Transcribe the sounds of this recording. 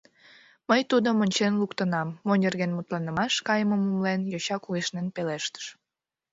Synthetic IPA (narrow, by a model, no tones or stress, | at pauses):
məjt̪ud̪omənʲt͡ɕenlukt̪ənɑmːonʲerɣenmut̪lɑnəmɑʃkɑjəməmumlenjoɕɑkueʃnenpeleʃt̪ə̥ʃ